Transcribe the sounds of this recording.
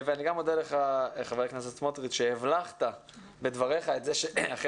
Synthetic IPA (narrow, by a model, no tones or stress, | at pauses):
veaniɡamodaleχaχaveeknaset̪motʁitʃehevlaχt̪a | be̞d̪vaʁeχaetzeʃeaχ